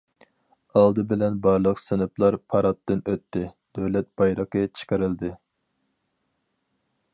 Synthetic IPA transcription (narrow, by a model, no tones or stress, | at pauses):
ɑlˠd̪ɨbɪlɛnbɑɾlˠəqsɪnɨplˠɑɾpʰɑɾɑt̪ːɨnøt̪ːɪd̪̥øwlɛt̪̚b̥ɑjɾəqət͡ʃʰə̥qəɾɪld̪ɪ